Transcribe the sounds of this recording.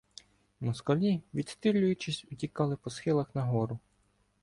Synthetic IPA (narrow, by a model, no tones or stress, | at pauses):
mɔskɔlʲiʋʲid̪st̪ɪlʲːʊjʊt͡ʃɪsʲʊtʲikɑlˠɪpɔsxɪlˠɐxnɐɦɔɾʊ